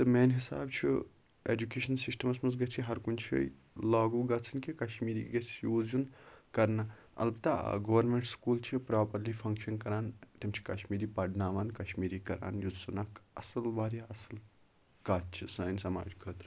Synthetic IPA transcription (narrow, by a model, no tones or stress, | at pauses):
t̪ɨmeːnɦisa̰ːbt͡ʃʰḭ | ḛːd͡ʒukeːʃɐnsisʈɐmɐsmɐs̬ɡɐt͡ʃʰiɦɐɾkunt͡ʃʰḭ | laːɡuːɡɐt͡sʰɐnkikɐʃmiːɾiːɡɐt͡sʰjuːzjunkɐɾnɐ | ɐ̰lbɐt̪a̰ɡɐʋɐɾmeɳʈskuːlt͡ʃʰipɾaːpɐɾliːfʰɐŋkʃɐnkɐɾaːnt̪imt͡ʃʰi̥kɐʃmiːɾiːpɐɖnaːʋaːnkɐʃmiːɾiːkɐɾa̰ːnjud͡zsɐnakɐ̰sɐlbaːɾjaɐsɐl | kaːt͡ʃʰisɐːnsɐma̰ːd͡ʒkʰəːt̪ɾ